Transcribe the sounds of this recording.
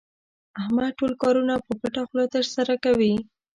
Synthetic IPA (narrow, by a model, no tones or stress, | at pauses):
ahmaʈolkɑɾunapəpaʈaxlot̪əɾsaɾakawi